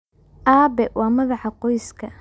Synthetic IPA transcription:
ʔaːbɛwɑːmɐðɑħɑqɔjskʰɐ

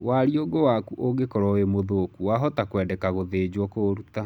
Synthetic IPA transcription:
waɾioɡowakuʔoɣekɔɾɔemoðokuwaɦɔtakwɛːdɛkaɣoðed͡ʑwɔkoɾuta

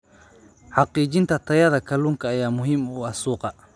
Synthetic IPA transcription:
ħɑqiːt͡ʃɪnt̪ʰɐt̪ʰɐjɐðɐkʰɐluːŋkʰɐːjaːmʊɦiːmuːɐsuːqɑ

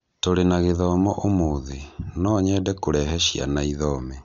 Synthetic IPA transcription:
toɾenaɣeðɔmɔʔomoðinɔɲɛdɛkoɾɛɦɛʃja̰naiðɔmɛ

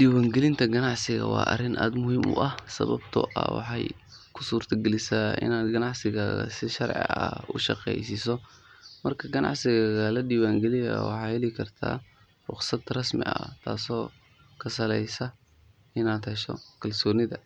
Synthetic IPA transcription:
ɖiːwaːŋɡɛlɪnt̪ʰɐɡɐnɑʕsɪɣɐ̰wɑ̰ːʔɐ̰rɪnʔa̰ːd̪mʊhiːmʊ̰ʔɐhsɐ̰βɐbt̪ʰɔ̰ʔɐ̰wɑ̰ħɑjkʰʊ̥suːrt̪ʰɐɡɛlɪsaːɪ̰naːd̪ɡɐnɑʕsɪɣaːɣɐ̰sɪʃɐɾʕɪ̰ɐ̰ʊ̰ʃɑqɛ̰jsɪsɔmɐrkʰɐɡɐnɑ̰ʕsɪɣaɣɐlɐɖiːwaːŋɡɛlɪjɐwɑ̰ħɑːhɛlɪkʰɐrt̪ʰa̰ː | rʊ̰qsɐd̪rɐsmɪ̰ɐ̰t̪ʰa̰ːsɔː | kʰɐsɐlɛjsɐ | ʔɪnaːd̪hɛʃɔ̰kʰɐlsɔːnɪðɐ

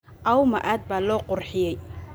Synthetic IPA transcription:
ʔɐwmɐʔaːd̪̚baːlɔːqʊrħɪjɛj

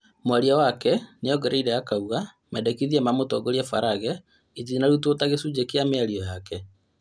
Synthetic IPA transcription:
mwaɾiawakɛnejɔɡɛɾeiɾɛjakauɣa | mɛdɛkiðiɛmamotɔɡoɾjafaɾaɣɛ | it̬iinaɾut̬otaɣesud͡ʒekeameaɾiɔjakɛ

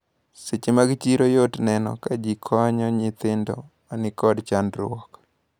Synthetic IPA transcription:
sɪt͡ʃmaɡɪt͡ʃiɾojotnɛnɔ̰kad͡ʒikʰɔɲɔɲɪt̪ɪndɔ̰manɪkɔdt͡ʃandɾʊɔk

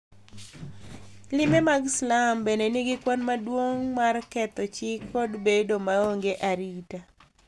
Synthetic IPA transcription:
lɪmemaɡslambenenɪɡɪkwanmadwoŋmarkɛt̪ɔt͡ʃɪkːɔdbedomaoŋɡeʔaɾita

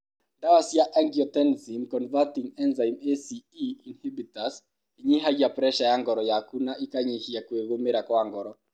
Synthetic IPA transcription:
dawasjaʔaŋɡiɔtɛnzimkɔnvatiŋɛnzaimesiiinhibitas | iɲiɦad͡ʒapɾɛʃajaŋɡɔɾɔjakunaʔikaɲihijakweɣomeɾakwaŋɡɔɾɔ

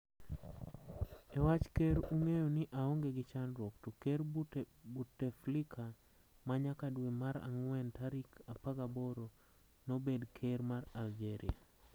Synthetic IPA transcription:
ɛwat͡ʃkeɾuŋejonɪʔaoŋɡeɡɪt͡ʃanɾwɔktokeɾbutːeflikʰa | maɲakadwemaɾa̰ŋwɛntaɾikapaɡaboɾo | nobedkʰeɾmaɾald͡ʒeɾḭa̰

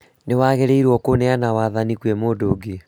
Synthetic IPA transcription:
newaːɣɛɾeiɾwɔkonɛanawaːðanikwɛmoːdoːɡe

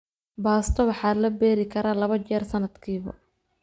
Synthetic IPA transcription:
baːst̪ʰɔwɑħɑːlɐbɛːɾɪkʰɐɾaːlɐβɐt͡ʃɛːrsɐnɐd̪kʰiːβɐ̰

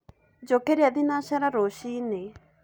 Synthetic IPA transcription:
d͡ʒokeɾjad̪inaʃaɾaɾoʃine

